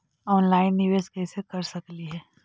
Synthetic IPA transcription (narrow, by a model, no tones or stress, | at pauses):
ɔːnlaːɪnːiʋeːskɛːsekɐɾsɐkliɦɛː